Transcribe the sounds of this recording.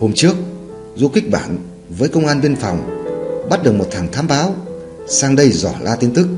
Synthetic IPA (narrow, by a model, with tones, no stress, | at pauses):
ho˧mt͡ɕɨ˦˥ək̚ | zu˧xï˦˥k̟̚ɓa̰ː˧˩n | vəː˨˦jkə˧wŋ͡mʔaː˧nɓi˧ənfɔ̰˨˩wŋ͡mɓa˦˥t̚ɗɨ˨˩k̚mo˨˩t̪̚ʰaː˨˩ŋt̪ʰaː˨˦mɓaː˨˦w | saː˧ŋɗə˧jzɔ̰˧˩lʔaː˧t̪i˧nt̪ʰɨ˦˥k̚